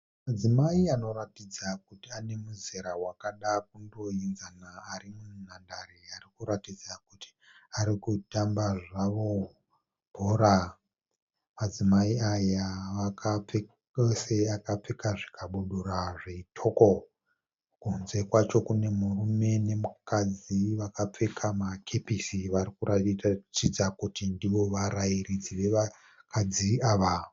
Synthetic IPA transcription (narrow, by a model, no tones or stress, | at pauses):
mad͡zimaiano̞ɾatid͡zakutiane̞muzeɾawakaɗak̚undo̞inzanaːɾimunandaɾiarikuɾatid͡zakuti̥ | aɾikutambaʐaʋo̞ | bʱoɾa | mad͡zimaiajaʋakʰap͡fe | seakap͡fekaʐi̥kʰaɓuɗuraʐeitʰo̞ko̞ | kunze̞kwat͡ʃo̞kune̞murume̞ne̞mukad͡ziʋakap͡fekʰamakʰe̞pisiʋaɾikuraiat͡ʃid͡zakutindiʋo̞ʋaɾaiɾid͡ziʋe̞ʋa | kʰad͡ziaʋa